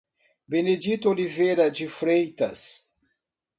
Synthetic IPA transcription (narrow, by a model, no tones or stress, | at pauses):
bened͡ʒit̪ʊolivejɾɐd͡ʒɪfɾejt̪ɐ̰s